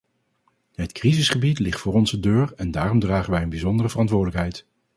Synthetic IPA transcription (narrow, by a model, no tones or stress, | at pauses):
ɦətkrizəsχəbitlɪχtfʊːrɔnzədøːɹɛndaːrɔmdraːχənʋɛjənbizɔndərəvərɑntʋʊːɹdələkɦɛjt